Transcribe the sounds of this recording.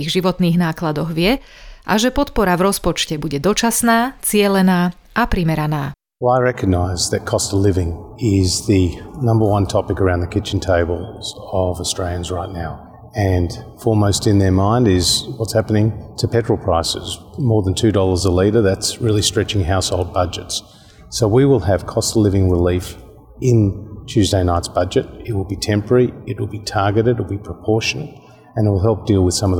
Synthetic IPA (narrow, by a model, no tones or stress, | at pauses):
iɣʒiʋɔt̪niːɣnaːklad̪ɔɣʋɪɛʔa̰ʒɛpɔt̪pɔɾavɾɔspɔt͡ʃcɛbuɟɛd̪ɔt͡ʃasnaːt͡sɪɛlɛnaː | apɾimɛɾanaː | wɛlˠaɪɹɛkɨɡ̚naɪzðɨt̚kʰɔstʌlɪvɪ̃ŋɪzðɨnʌ̃mbə˞wʌ̃ntʰɑpɨkə˞ãʊ̃nðɨkʰɪt͡ʃn̩tʰeɪbəl̩ˠz̥ʌvəstɹ̥eɪlˠjɨ̃nzɹaɪtⁿnaʊ | ɨ̃nfɔɹməʊstɨ̃nðə˞mãɪ̃ndɪz̥wʌtshæpənɪ̃ŋtʰɨpʰɛt͡ʃɹ̥l̩ˠpʰɹ̥aɪsɨz | mɔɹðə̃ntʰʉdɔlˠə˞zəliɾə˞ðætsɹɪlˠistɹ̥ɛt͡ʃɪ̃ŋɦaʊshoʊlˠd̚bʌd͡ʒɨts | soʊwiwɪlˠɨv̥kʰɑstˡlɪvɪ̃ŋɹɪlif | ɪ̃ntʰʉzdeɪnaɪtsb̥ʌd͡ʒɨɾɪt̚wəlˠbitʰɛ̃mpə˞iɨt̚wɨlˠbitʰɑɹɡɨɾɨt̚wl̩ˠbipʰɹ̥əpʰɔɹʃɨnɨɾt | ɨ̃nɨt̚wəlˠɦɛlˠp̚d̥ilˠwɨð̥sʌ̃mʌ